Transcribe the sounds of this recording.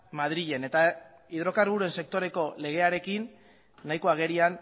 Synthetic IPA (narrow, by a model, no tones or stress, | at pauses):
mað̞ɾiʎe̞ne̞t̪a | iðɾo̞karβuɾue̞nse̞k̚t̪o̞ɾe̞ko̞le̞ɣ̞e̞aɾe̞kinː | ajko̞aɣ̞e̞ɾian